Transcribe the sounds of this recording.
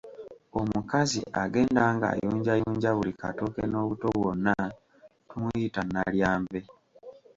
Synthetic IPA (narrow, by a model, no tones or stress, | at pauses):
o̞mukazḭʔaɡe̞ːndaːŋɡa̰ːjuːɲɟajuːɲɟaβulika̰tokeno̞ːβuto̞βwonːa | tumujitanːaljaːmbe̞